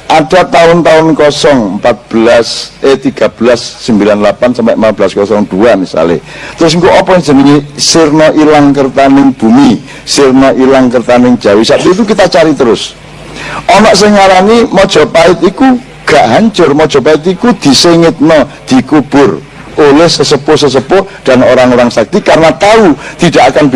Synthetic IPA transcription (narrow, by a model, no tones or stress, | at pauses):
ʔaɖ̥a̤t̪aʊnt̪aʊnkɔsɔŋəmpat̪̚b̥əlasʔet̪iɡ̥a̤b̥əlasːəmbilanlapansampɛʔmpat̪̚bəlaskɔsɔŋd̥uamisa̰lḛ | t̪əɾʊs̬iŋkoʔɔpɔɪŋd͡ʒ̥ə̤nəŋisɪrnɔʔilaŋkərt̪anɪŋb̥ṳmi | sɪrnɔʔilaŋkərt̪anɪŋd̥d͡ʒ̥a̤wisap̚t̪uit̪ukit̪at͡ʃaɾit̪əɾʊs | ʔɔnɔʔsɪŋaɾanimɔd̥ʒ̥ɔ̤paɪt̪iku | ɡ̥aʔɦaɲt͡ʃʊrmɔd̥ʒ̥ɔ̤paɪt̪ikud̪̥i̤seŋɪt̪̚nɔd̪̥i̤kub̥ʊr | ʔolɛhsəsəpʊhs̬əs̬əpʊhɖ̥a̤noɾaŋoɾaŋsak̚t̪ikarnat̪aut̪id̥aʔakanb